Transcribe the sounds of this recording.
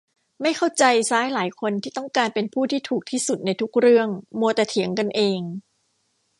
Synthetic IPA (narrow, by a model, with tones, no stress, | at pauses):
ma˥˩jkʰa˥˩wt͡ɕa˧jsaː˦˥jlaː˩˦jkʰo˧nt̪ʰiː˥˩t̪ɔ˥˩ŋkaː˧npe˧npʰuː˥˩t̪ʰiː˥˩t̪ʰuː˨˩k̚t̪ʰiː˥˩su˨˩t̪̚na˧jt̪ʰu˦˥k̚ɾɯ˥˩əŋmu˧ət̪aɛː˨˩t̪ʰi˨˩˦əŋka˧nʔeː˧ŋ